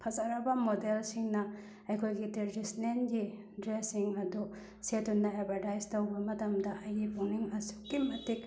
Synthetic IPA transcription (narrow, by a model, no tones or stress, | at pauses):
pʰɐzɐɾɐbɐmodelsiŋnɐ | ɐjkʰojɡiteɾdisnenɡi | dɾesiŋɐdu | setunːɐebʱɐɾtajztɐwbɐmɐtɐmdɐɐjɡibʰowniŋɐsukːimɐtik̚